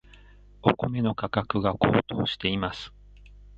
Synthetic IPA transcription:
o̞ko̞me̞no̞kakakɯ̟ɡakʰo̞̰ːt̪o̞ːɕi̥t̪e̞imasɨ̥

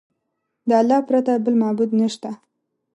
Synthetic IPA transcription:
d̪əalːɑhpɾat̪abəlmɑbud̪nəʃt̪a

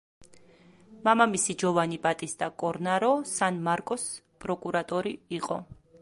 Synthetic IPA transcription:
mamamisid͡ʒɔvanibʼat̪ʼisd̪akʼɔɾnaɾɔsanmaɾkʼɔs | pʼɾɔkʼuɾat̪ʼɔɾiiqʼɔ

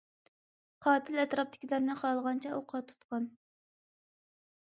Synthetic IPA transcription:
qʰɑːt̪ʰɪlɛt̪ɾɑp̚t̪ʰɪ̥kʲilˠɑɾnɨχɑlˠʁɑnt͡ʃʰɛʔoqʰɑt̪ʰːu̥t̪qɑn

